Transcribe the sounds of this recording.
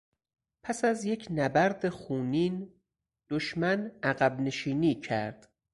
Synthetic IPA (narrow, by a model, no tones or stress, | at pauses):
pʰæsæzje̞cʰnæbæɾd̪exuːniːn | d̪̥oʃmænæɣæbne̞ʃiːniːcʰæ̰ɾd̪̥